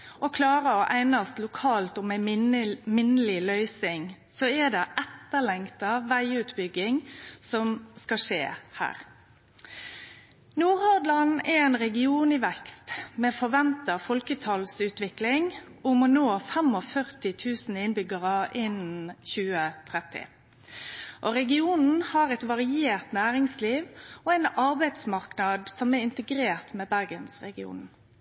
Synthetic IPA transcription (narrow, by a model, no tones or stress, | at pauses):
ʔɔkʰlɑːʁəɔʔæɪnɑst̪lʊkʰɑːlt̪ɔmɛ | mɪnəlɪlœʏsɪŋ | sɔɛd̪ɛʔɛt̪ːəlɛŋkt̪ɑʋæɪʉːt̪bʏɡɪŋsɔmskɑʂeːhæ̰ːʁ | nuːʁhɑd̪lɑnɛɛɪnʁɛɡɪuːnɪʋɛkst̪mɛfɔʁʋɛnt̪ɑfɔlkət̪ʰɑlsʉːt̪ʋɪklɪŋ | ʊmɔnoːfɛmɔfœʁt̪ɪt̪ʰʉːsn̩ɪnbʏɡəʁəʔɪnn̩çʉːət̪ʰʁɛt̪ːɪ̰ | ʔɔʁɛɡɪuːnn̩hɑːʁɛt̪ʋɑʁɪeːʁt̪næːʁɪŋsliːʋɔæɪnɑʁbæɪd̪smɑʁknɑd̪sɔmɛɪnt̪əɡɾeːʁt̪mɛːbæʁɡənsʁɛɡɪṵːn